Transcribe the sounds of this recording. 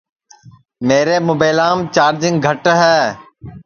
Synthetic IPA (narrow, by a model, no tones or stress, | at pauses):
meːɾeːmʊbeːlaːmt͡ʃaːɾd͡ʒɪ̃ŋɡ̚ɡʱəʈɦɛː